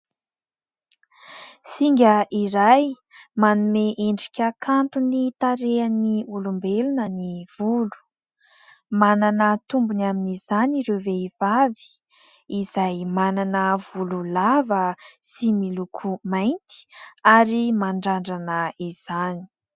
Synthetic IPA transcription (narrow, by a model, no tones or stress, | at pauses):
siŋɡʲəʔiɾaj | manumeʔeɳɖ͡ʐikʲəkʰant̪unit̪aɾeaniulumbelunəniv̥ulu̥ | mananət̪umbunaminiz̥aniɾewveiv̥avi̥ | izajmananəv̥ululavəsimilukʰumajnt̪i̥aɾimaɳɖ͡ʐaɳɖ͡ʐanəiz̥ani̥